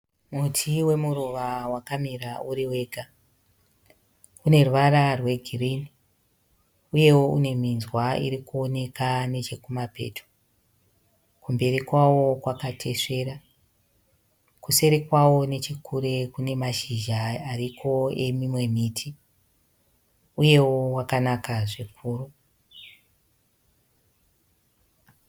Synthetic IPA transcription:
mutʰiwe̞muɾuʋawakamiɾauɾiwe̞ːɡʱa | une̞ruʋaɾarwe̞ɡʱirini | uje̞wo̞ʔune̞minzwaḭɾikuo̞ne̞kane̞t͡ʃe̞kumapḛtʰo̥ | kumbe̞ɾikwawo̞kwakatʰe̞ʂe̞ːɾa | kuse̞ɾikwawo̞ne̞t͡ʃikʰuɾe̞kune̞maʃiʒaarikʰo̞e̞mimwe̞miːtʰi | uje̞wo̞wakanakaʐekʰuːɾu

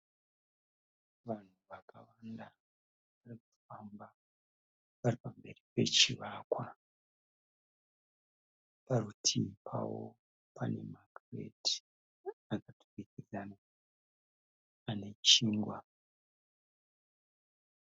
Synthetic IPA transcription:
ʋan̤uʋakʰawanda | ʋarikuti̥famba | ʋaripambe̞ripe̞̰t͡ʃiʋakwa | paɾutʰipʰa̰wo̰ | pane̞̰makrḛdi̥ | akatu̥rikirana | ane̞t͡ʃiːŋɡwa

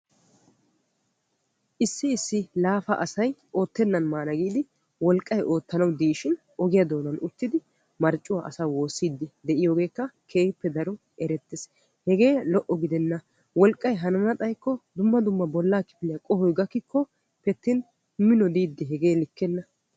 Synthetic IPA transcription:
ʔɪsːɪɪsːɪlaːfɐ̰ʔɐsɐjʔo̞ːt̪ːɛnːɐnmaːnɐɡiːd̪ɪ | wɔlkʼːɐjʔo̞ːt̪ːɐnɐwd̪iːʃɪn | ɔɡɪjɐd̪o̞ːnɐnʊt̪ːɪd̪ɪ | mɐɾt͡ʃʼʊwa̰ːʔɐsaːwo̞ːsːid̪ːɪd̪ɛʔɪjo̞ːɡe̞ːkːɐkʰe̞ːpːɛd̪ɐɾɔ | ɛɾɛt̪ːɪs | hɛɡe̞ːlɔʔɔɡɪd̪ɛnːɐ | wɔlkʼːɐjɦɐnɐnɐt̪ʼɐjkːɔd̪ʊmːɐd̪ʊmːɐbɔlːaːkɪ̥pɪlɪjɐkʼɔhɔjɡɐkːɪkːɔ | pɛt̪ːɪn | mɪnɔd̪iːd̪ːɪɦɛɡeːlɪkːɛnːɐ

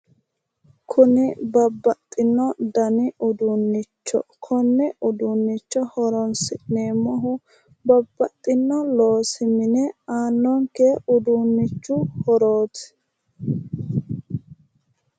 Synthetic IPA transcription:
kʰʊnɪbɐbːɐt̪ʼːɪnːɔd̪ɐnɪʔʊd̪uːnːɪt͡ʃːɔ̰kʰɔnːɛʔʊd̪uːnːɪt͡ʃːɔhɔɾɔnsɪʔneːmɔɦʊ | bɐbːɐt̪ʼːɪnːɔlo̞ːsɪmɪnɛaːnːɔŋkɛʊd̪unːɪt͡ʃːʊhɔɾoːt̪

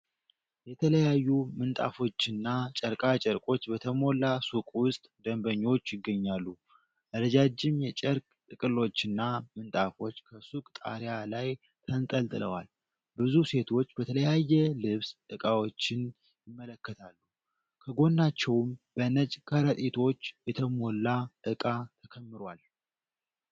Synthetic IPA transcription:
jɛt̪ʰələjajːumɨnt̪ʼa̰fo̞t͡ʃːɨnːat͡ʃʼəɾkʼat͡ʃʼəɾkʼo̞t͡ʃːbət̪ʰəmo̞lasukʼwʊst̪ʼd̪əmbəɲːo̞t͡ʃːjɪɡːəɲːalːu | ʔɨɾəd͡ʒad͡ʒːɪmjɛt͡ʃʼɛɾkʼt̪ʼɨkʼɨlo̞t͡ʃːɨnːamɨnt̪ʼafo̞t͡ʃːkʰəsukʼt̪ʼa̰ɾjalaj | t̪ʰənt̪ʼəlt̪ʼɨlə̰wa̰l | bɨzuse̞t̪ʰo̞t͡ʃːbət̪ʰələjajːɛlɨβsɨkʼawo̞t͡ʃːɪn | jɪmːələkːət̪ʰalːu | kʰəɡo̞nːat͡ʃːɛwmb̥ənət͡ʃʼkʰəɾət̪ʼit̪ʰo̞t͡ʃːjɛt̪ʰəmo̞lːaʔɨkʼat̪ʰəkʰəmːɨɾwal

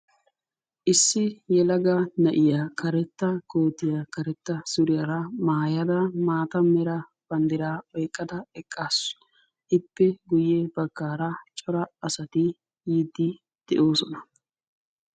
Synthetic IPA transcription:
ʔɪsːɪjɛlɐɡɐnɐʔɪjakʰɐɾɛt̪ːɐko̞ːt̪ːɪjaːkɐɾɛt̪ːɐsʊɾɪjɐɾɐmaːjɐd̪ɐmaːt̪ɐmɛɾɐ | b̥ɐnd̪ɪɾaːɔjkʼːɐd̪ɐɛkʼːaːsʊ̥ | ʔɪpːɛɡʊjːebɐɡ̥ːaːɾɐt͡ʃʼɔɾɐɐsɐt̪ɪ | jiːd̪ːɪ | d̪̥ɛʔo̞ːsɔnɐ̥

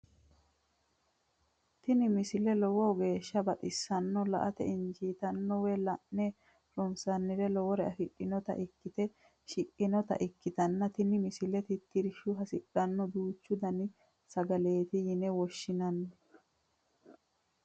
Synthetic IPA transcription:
t̪ɪnɪmɪsɪlɛlɔwɔwɡe̞ːʃːɐbɐt̪ʼɪsːɐnːɔlɐ̰ʔɐt̪ɛ̰ɪɲd͡ʒiːt̪ɐnːɔwɛlɐʔnɛ | ɾɔnsɐnːɪɾɛlɔwɔɾɛɐfɪɗːɪnɔt̪ɐ̰ʔɪkːɪt̪ɛ | ʃɪʔɪnɔt̪ɐ̰ʔɪkːɪt̪ɐnːɐt̪ɪnɪmɪsɪlɛt̪ɪt̪ːɪɾɪʃʊɦɐsɪɗɐnːɔd̪uːt͡ʃːʊd̪ɐnɪ | sɐɡɐle̞ːt̪ɪjɪnɛwɔʃːɪnɐnːɔ

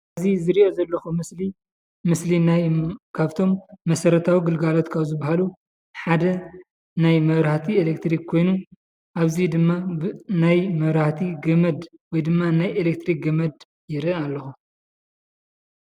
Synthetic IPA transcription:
ʔɐzizɨɾiʔo̞zɐlːɐxumɨsli | mɨslinajkʰaβt̪ʰo̞mːɐsɐɾɐt̪ʰawiɡɨlɡalo̞t̪kʰaβzɨbahalu | ħad̪ɐ | najmɐβɾaht̪ʰielekt̪ɾikːʰo̞jnu | ʔaβzid̪ɨmːabnajmɐβɾaht̪ʰiɡɐmɐd̪ | wɔjd̪ɨmːanajelekt̪ɾik̚ɡɐmɐd̪ | jɪɾɨalːɐxu

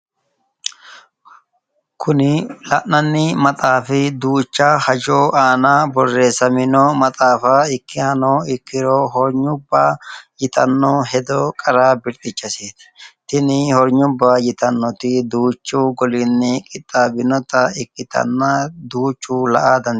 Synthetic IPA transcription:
kʰʊnɪlɐʔnɐnːɪmɐt̪ʼaːfɪd̪uːt͡ʃːahɐd͡ʒoːʔaːnaːbɔrːe̞ːsɐmɪnɔmɐt̪ʼaːfaːɪkːɪhɐnoːɪkːɪɾoːɦɔɾɲʊbːaːjɪt̪ɐnːoːɦɛd̪oːkʼɐɾaːbɪɾt̪ʼɪt͡ʃːɐseːt̪ɪ̥t̪ɪnɪhɔɾɲʊbːaːjɪt̪ɐnːɔt̪ɪd̪uːt͡ʃːuːɡɔlɪnːɪkʼɪt̪ʼːaːbɪnɔt̪ɐɪkːɪt̪ɐ̰nːɐd̪uːt͡ʃːuːlɐ̰ʔaːd̪ɐn

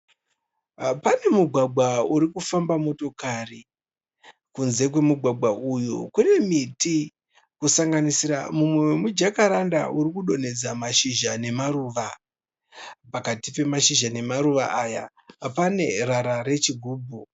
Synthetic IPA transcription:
pane̞muɡʱwaɡ͡bʱwauɾikufambamo̞to̞kari | kunze̞k̬we̞muɡʱwaɡ͡bʱwaʔujṵkune̞miti | kusaŋɡanisiɾa̰mumwewemud͡ʒakaɾanda̰uɾikuɗo̞ne̞d͡zamaʃiʒane̞maɾuːʋa | pakatipe̞maʃiʒane̞maɾuʋa̰ʔaja̰ | pane̞raɾaɾe̞t͡ʃiɡʱuːbʱu

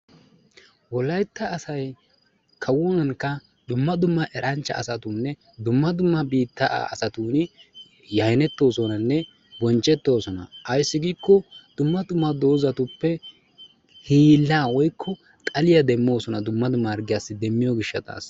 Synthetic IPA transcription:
wɔlɐjt̪ːɐːsɐj | kʰɐwɔnɐŋkːɐ | d̪ʊmːɐd̪ʊmːɐʔɛɾʔɐnt͡ʃːɐ̰ːsɐt̪unːɛ | d̪ʊmːɐd̪ʊmːɐbiːt̪ːa̰ːsɐt̪uːn | jɐjnɛt̪ːo̞ːsɔnɐnːɛ | bɔnt͡ʃʼːɛt̪ːo̞ːsɔnɐ̰ɐjsːɪɡiːkːɔd̪̥ʊmːɐd̪ʊmːɐd̪o̞ːzɐt̪ʊpːɛ | hiːlːaːwɔjkʰːɔ | t̪ʼɐlɪjɐd̪ɛmːo̞ːsɔnɐd̪ʊmːɐd̪ʊmːɐɐɾɡɪjasːɪd̪ɛmːɪjɔɡɪʃːɐt̪a̰ːs

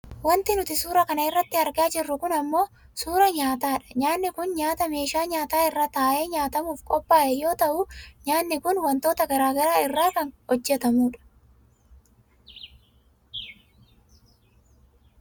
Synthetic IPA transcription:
wɐnt̪ɪnʊt̪ɪsuːɾɐkɐnɐɪrːɐt̪ːɪɐɾɡaːd͡ʒɪrːʊkʊnɐmːo̞ː | suːɾɐɲaːt̪aːᶑɐ̥ɲaːnːɪkʊnɲaːt̪ɐme̞ːʃaːɲaːt̪aːɪrːaːt̪aːʔe̞ːɲaːt̪ɐmuːfkʼɔpːaːʔɛjo̞ːt̪ɐʔʊɲaːnːɪkʊnwɐnt̪o̞ːt̪ɐɡɐɾaːɡɐɾaːɪrːaːkɐnhɔd͡ʒːɛt̪ɐmuːᶑɐ̥

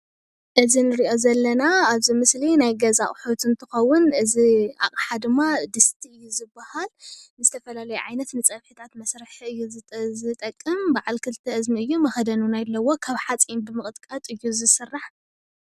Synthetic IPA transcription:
ʔɨzinɨɾiʔo̞zɐlːɐnaaβzimɨslinajɡɐzaʔʼħot̪ɨnt̪ʰɨxɐwːʊnɨzia̰χʼħad̪ɨmːad̪ɨst̪ʰiɨjːuzɨbːahalnɨzɨt̪ʰɐfɐlalɐjuʕajnɐt̪nɨt͡sʼɐβħit̪ʰat̪mɐsɾɨħiɨjːuzzɨt̪ʼɐkʼːɨmbaʕalkʰɨlɨt̪ʰɐʔɨzmiɨjːumɐxɐd̪ɐnunajlːɐwo̞kʰaβħat͡sʼimbɨmɨχʼɨt̪ʼkʼɐt̪ʼɨjːuzɨsɨrːaħ

